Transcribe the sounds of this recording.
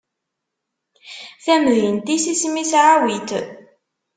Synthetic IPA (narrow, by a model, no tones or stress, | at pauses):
θæmðint̪isismisʕawit̪